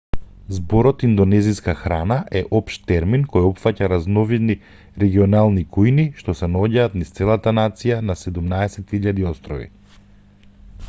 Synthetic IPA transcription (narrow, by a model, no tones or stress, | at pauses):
zbɔɾɔt̪ind̪ɔnɛziskaxɾanaʔɛʔɔpʃt̪t̪ɛɾminkɔjɔpfacaɾaznɔvid̪ni | ɾɛɡiɔnalˠnikujniʃt̪ɔsɛnɔɟaːt̪nist̪sɛlˠat̪anat̪sijanasɛd̪umnaɛsɛt̪iʎad̪iɔst̪ɾɔvḭ